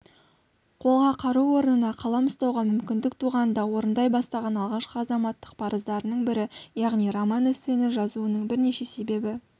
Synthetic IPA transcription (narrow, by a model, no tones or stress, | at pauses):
qʰo̞lˠʁɑqʰɑɾuwo̞ɾənənɑqʰɑlˠɑməst̪ɑwʁɑmʏmkʲɪnd̪ɪk̚t̪ʰuʁɑnnd̪ɑwo̞ɾənd̪ɑjbɑst̪ɑʁɑnɑlˠʁɑʃqəɑzɑmɑt̪ːə̥q̚pʰɑɾəzd̪ɑɾənəɴbɪɾɪjɑʁnijɾomɑnɪst̪enɪʒɑzuənəɴbɪɾne̞ʃe̞se̞be̞bɪ